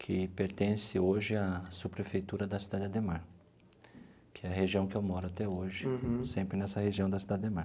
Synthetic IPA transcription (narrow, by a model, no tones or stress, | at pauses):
kʰɪpeɾt̪ẽsɪoʒɪasupɾefejt̪uɾɐd̪ɐsid̪ad̪ɪd̪emaɾ | kʰɪɛɐheʒiɐ̃w̃kɪewmɔɾʊat̪ɛoʒɪsẽmpɾɪnɛsɐheʒiɐ̃w̃d̪ɐsid̪ad̪ɪd̪emaɾ